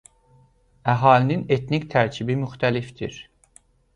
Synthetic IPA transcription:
æɦɑːlinine̞t̪nict̪ʰæɾcʰibimyxt̪ʰælifd̪ḭɾ

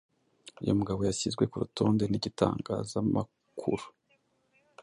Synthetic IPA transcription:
ijo̞muɡaβo̞jasizɡwe̞kuɾutoːnde̞niɟita̰ːŋɡazama | kʰuɾu̥

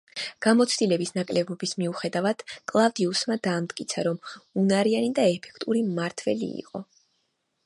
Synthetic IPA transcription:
ɡ̥amɔt̪sʰd̪ilɛbisnakʼlɛbɔbismiuχɛd̪avad̪̥kʼlˠavd̪iusmad̪aːmt̪kʼit̪sʰaɾɔmunaɾianid̪aɛpʰɛ̥kʰt̪ʼuɾimaɾt̪ʰvɛ̰lḭːqʼɔ̰

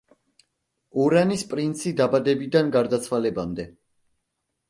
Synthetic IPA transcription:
uɾanispʼɾint̪sʰid̪abad̪ɛbid̪anɡaɾd̪at̪sʰwalɛbamd̪ɛ

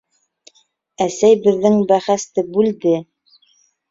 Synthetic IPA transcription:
æsæjbɘ̆ðːɘŋbæχæst̪ɘbʉld̪ɘ

